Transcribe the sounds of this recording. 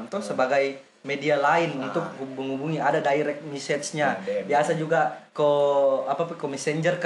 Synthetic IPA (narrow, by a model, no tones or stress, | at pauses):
mt̪usəbaɡaj | medialaɪnunt̪ʊk̚ɦuməŋubuŋiadadaiɾɛk̚t̪̚misɛt̪sɲabiasad͡ʒuɡakoapapakomɛsɛɲd͡ʒərk